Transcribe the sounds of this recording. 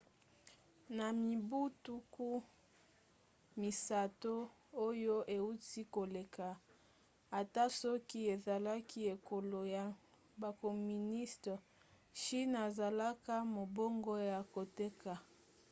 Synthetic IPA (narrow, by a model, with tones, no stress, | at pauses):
na˨mi˨bu˦tu˦ku˦ | mi˨sa˨to˦ | o˦jo˦ʔe˨u˦ti˦ko˨le˨ka˨ | a˨ta˦sɔ˦ki˦e˨za˨la˦ki˦e˨ko˨lo˨ja˨ | ba˨ko˨mi˨ni˦ste˨ | ʃi˦na˨za˨la˦ka˦mo˨bo˦ŋɡo˦ja˨ko˨te˦ka˨